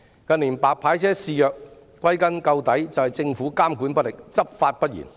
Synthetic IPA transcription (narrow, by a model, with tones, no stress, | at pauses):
kɐ˧nliː˨˩npaː˨k̚pʰaː˨˥jt͡sʰɛː˥siː˨˧jœː˨k̚ | kːwɐ˥jkɐ˥nkɐ˧wt̪ɐ˨˥jt͡sɐ˨whɐ˨jt͡sɪ˧ŋfuː˨˥kaː˥mkuː˨˥npɐ˥t̚lɪ˨k̚t͡sɐ˥p̚faː˧t̚pɐ˥t̚jḭ˨˩n